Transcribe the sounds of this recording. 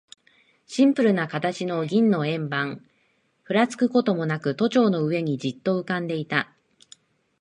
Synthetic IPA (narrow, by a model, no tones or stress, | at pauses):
ɕĩmpɯ̟ɾɯ̟nakat̪at͡ɕino̞ɡʲĩnːo̞ẽ̞mbãŋ | ɸɯ̟ɾat͡sɨ̥kɯ̟ko̞t̪o̞mo̞nakɯ̟t̪o̞t͡ɕo̞ːno̞ɯ̟e̞ɲ̟id͡ʑit̪ːo̞ɯ̟kãnd̪e̞it̪a